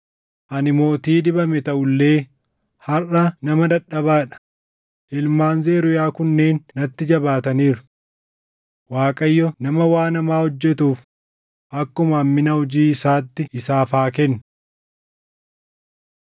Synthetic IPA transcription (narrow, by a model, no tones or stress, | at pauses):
ʔɐnɪmo̞ːt̪iːd̪ɪbɐmɛt̪ɐʔʊlːe̞ː | hɐrɐnɐmɐd̪ɐᶑːɐbaːᶑɐ̥ | ʔɪlmaːnzeːɾʊjaːkʊnːeːnːɐt̪ːɪd͡ʒɐbaːt̪ɐniːɾʊ | waːkʼɐjːɔnɐmɐwaːnɐmaːhɔd͡ʒːɛt̪uːf | ʔɐkːʊmɐːmːɪnɐhɔd͡ʒiːɪsaːt̪ːɪɪsaːfaːkɛnːʊ